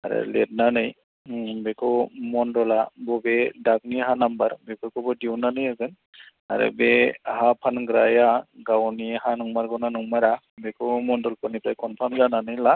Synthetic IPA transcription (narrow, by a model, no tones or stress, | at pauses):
a̰ɾɯ̰lɛd̚nanɯj | bekɯmɔndɔlabɔbedak̚niɦanambaɾbekɯkɔbɔdiwnanɯjaɡɯn | a̰ɾɯ̰behapʰanɡɾajaɡawniɦanɔŋmaɾɡɔwnanɔŋmaɾa | bekɯmɔndɔlkɔnipɾajkʰɔnpʰamzananɯjla